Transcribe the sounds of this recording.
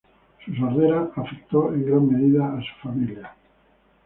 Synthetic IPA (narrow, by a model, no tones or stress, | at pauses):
sus̬aɾðeɾaːfek̚t̪oe̞ŋɡɾamːeðiðaːsu̥familja